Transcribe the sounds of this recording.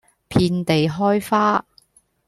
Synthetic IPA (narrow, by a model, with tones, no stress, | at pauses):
pʰiː˧nt̪e˨jɦɔː˥jfaː˥